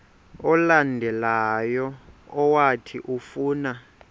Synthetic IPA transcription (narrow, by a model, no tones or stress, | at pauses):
ɔlandʱɛlajɔːwatʰiʔufuːna